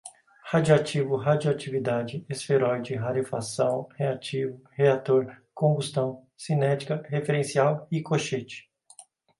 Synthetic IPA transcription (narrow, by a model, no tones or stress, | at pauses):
had͡ʒoat͡ʃivʊɦad͡ʒoat͡ʃivid̪ad͡ʒɪesfeɾɔjd͡ʒɪɦaɾifasɐ̃w̃heat͡ʃivʊheat̪oɾkõbust̪ɐ̃w̃ | sinɛt͡ʃi̥kɐhefeɾẽsiawikoʃet͡ʃɪ̥